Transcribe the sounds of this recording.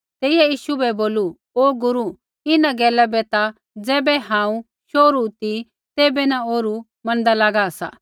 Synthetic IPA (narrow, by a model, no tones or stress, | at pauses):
t̪ɛːɪjajiːʃubɛboːlu | oːɡʊɾu | ɪnaɡɛːlabɛt̪a | d͡zɛːbɛɦãːũ | ʃoːɾut̪i | t̪eːbɛnaoːɾu | mɐ̃nd̪alaːɡaːsa̰